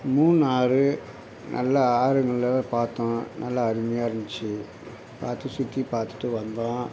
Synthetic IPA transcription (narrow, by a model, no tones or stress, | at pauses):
muːnaːɾɯ | nʔɐ̰lːɐaːɾɐŋɡɐɭɪlɐpaːɾt̪ːõːnɐlːɐːɾɪmɐjaːɪɾɪnd̪ɪt͡ʃːɯ | pa̰ːɾt̪ːɯsʊt̪ːipaːɾt̪ɯ̥ʈːɯʋɐnd̪ãː